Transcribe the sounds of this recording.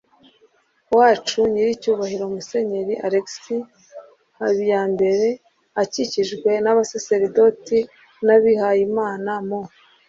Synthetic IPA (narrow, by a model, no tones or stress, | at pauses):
waːt͡ʃuɲiɾicuːβahiɾomuse̞ɲe̞ɾiʔaɾeksi | haβijaːnbe̞ɾe̞ | aciciʒɡwe̞naβaseseɾidoti | naβihajimaːnamo